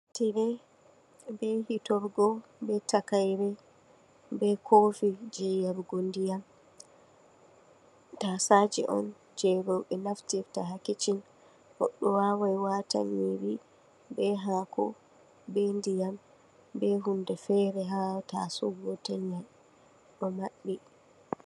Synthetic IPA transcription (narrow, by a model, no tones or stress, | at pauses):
tiɾɛ | bɛhitɔɾɡɔbɛtakajɾɛ | bɛkʰofid͡ʒɛjaɾɡondijam | tasad͡ʒɛ̰ʔɔ̰n | d͡ʒɛɡɔɓɛnaftiɾtaɦakit͡ʃin | hɔ̰ɗːɔwawajwata̰ɲiɾi | bɛɦakʰɔ̰ | bendijam | bɛɦundɛfɛɾɛɦata̰sɔɡɔtɛɲːaj | ɗɔmaɓːi